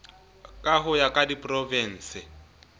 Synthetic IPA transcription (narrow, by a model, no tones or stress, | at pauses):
kʼaɦʊjakʼadipʼrɔvɛn̩ːsɪ